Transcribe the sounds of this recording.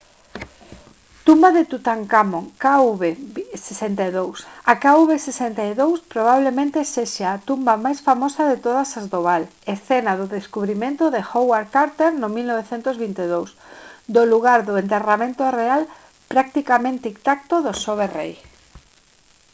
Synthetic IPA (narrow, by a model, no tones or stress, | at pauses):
t̪umbaðet̪ut̪aŋkamoŋkauβesesent̪aeðowsakauβesesent̪aeðowspɾoβ̞aβ̞lemẽnt̪eseʃaat̪umbamajsfamosaðet̪oð̞asazd̪oβalesθenaðʊðeskuβɾimẽnt̪oðexowaɾkaɾt̪eɾnʊmilnoβeθent̪ozβint̪eðowsd̪oluɣaɾðʊent̪eramẽnt̪oreal | pɾak̚t̪ikamẽnt̪eikt̪ak̚t̪oðosoβ̞erḛj